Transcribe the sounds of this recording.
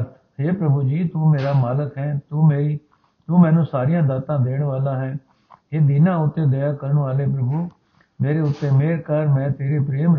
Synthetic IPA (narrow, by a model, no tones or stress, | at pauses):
t̪ | ɦeːpɾəbuːd͡ʒiːt̪uːmeːɾaːmaːləkɦɛːt̪uːmeːɾiː | t̪uːmɛ̃ːnũːsaːɾijãːd̪aːt̪ãːd̪eːɳ̃ʋaːlãːɦɛ̃ː | ɦeːd̪iːnãːʊt̪ːẽːd̪ejaːkəɾɳʋaːleːpɾəbuː | meːɾeːʊt̪ːeːmeːɾkəɾmɛ̃ːt̪eːɾeːpɾeːm